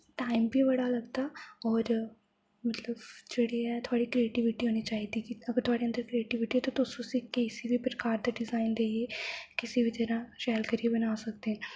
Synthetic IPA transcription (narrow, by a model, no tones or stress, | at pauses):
ʈaːimbiːʋəɽaːləɡd̪aːɔːɾ | mət̪ləbd͡ʒeːɽiːɛːt̪ʰʊaːɽiːkɾieːʈiʋɪʈiːɦoːniːt͡ʃaːiːd̪iːkɪəɡəɾt̪ʰʊaːɽeːənd̪əɾkɾieːʈiːʋɪʈiːɛːt̪ãt̪ʊsõːsikeːsiːbiːpɾəkaːɾd̪aːɖɪzaːind̪eːiekɪsiːbiːt̪ɪɾãːʃɛːlkəɾiebənaːsək̚d̪eːɦɛ̃n